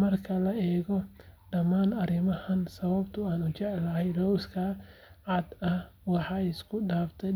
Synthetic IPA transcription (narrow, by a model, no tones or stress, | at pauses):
mɐrkʰɐlɐʔɛːɣɔɖɐmaːnɐɾɪmɐhɐnsɐβɐbt̪ʰʊaːnʊt͡ʃɛʕlɐɦɛjrɔwskʰɐʕɑd̪ɐhwɑħɑːɪskʰʊɖaːft̪ʰɛ